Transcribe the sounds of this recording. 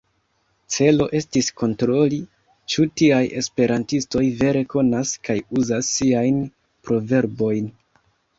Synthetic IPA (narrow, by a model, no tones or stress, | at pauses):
t͡se̞lo̞ʔe̞stisko̞ntɾo̞li | t͡ʃutiaje̞̰spe̞ɾantisto̞jve̞ɾe̞ko̞naskajuzasːiajn | pɾo̞ve̞ɾbo̞jn